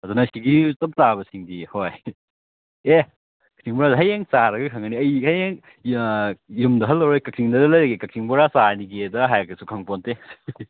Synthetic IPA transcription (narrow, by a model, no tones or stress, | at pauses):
ɐdunajskiɡisɐp̚tabɐsiŋdihoj | e | kɐ̥k̚siŋbɔɾadɦɐjeŋsaɾɐɡɐkʰɐŋɐniɐjhɐjeŋ | jumdɐɦɐlːɐwɾojkɐk̚siŋdɐdɐlɐjɾɐɡekɐk̚sʰiŋbɔɾasaniɡedɐɦajɐkʰɐsukʰɐŋpontes